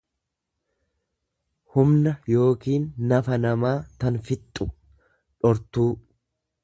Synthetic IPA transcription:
hʊmnɐjo̞ːkiːnːɐfɐnɐmaːt̪ɐnfɪt̪ʼːʊ | ᶑɔɾt̪uː

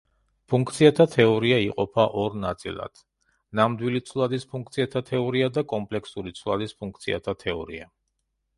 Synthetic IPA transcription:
pʰuŋkʰt̪sʰiat̪ʰat̪ʰɛɔɾiaiqʼɔpʰaʔɔɾnat̪sʼḭlˠa̰d̪̥ | namd̪wilit̪sʰvlˠad̪ispʰuŋkt̪sʰiat̪ʰat̪ʰɛɔɾiad̪akʼɔmpʼlɛksuɾit̪sʰvlˠa̰d̪ispʰuŋk̚ʰt̪sʰia̰t̪ʰat̪ʰɛɔɾḭa̰

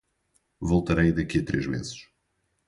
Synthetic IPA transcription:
vɔlˠt̪ɐɾɐjd̪ɐkiɐt̪ɾeʒmḛzɨʃ

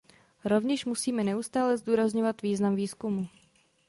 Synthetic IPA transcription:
ɾo̞vɲɛʃmusiːmɛnɛʔust̪aːlɛzduːɾazɲovat̪viːznamviːskumu

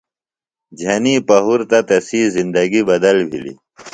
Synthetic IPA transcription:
d͡ʑʱɐniːpɐɦuɾt̪ɐt̪ɐsiːzind̪ɐɡibɐd̪ɐlbʱḭlḭ

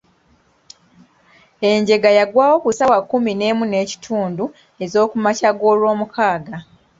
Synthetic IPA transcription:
e̞ɲɟe̞ɡajaɡwaːwo̞kusawakːumine̞ːmune̞ːci̥tʰuːndu | e̞zo̞ːkumacaɡo̞ːlwo̞ːmukʰaːɡa

